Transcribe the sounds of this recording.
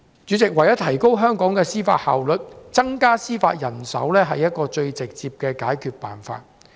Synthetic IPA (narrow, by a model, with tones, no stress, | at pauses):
t͡ʃyː˨˥t͡sɪ˨k̚wɐ˨˩jɐ˥t̪ʰɐ˨˩jko˥wɦœː˥ŋkɔː˨˥ŋkɛː˧siː˥fa̰ː˧t̚ha̰ː˨wlɵ˨t̚t͡sɐ˥ŋkaː˥siː˥fa̰ː˧t̚jɐ˨˩nsɐ̰˨˥wlɛː˥ɦɐ˨jɐ˥t̚kɔː˧t͡ʃɵ˧ɥt͡sɪ˨k̚t͡siː˧p̚kɛː˧kaː˨˥jkʰyː˧t̚pa̰ː˨nfa̰ː˧t̚